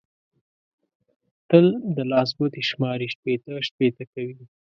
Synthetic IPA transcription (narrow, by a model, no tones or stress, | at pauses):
t̪əld̪əlɑs̬but̪eʃmɑɾiʃpet̪aʃpet̪akawi